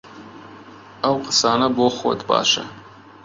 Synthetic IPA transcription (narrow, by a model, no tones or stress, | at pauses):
awqʼəsaːnɐboχʷwo̰tʰʼba̰ːʃa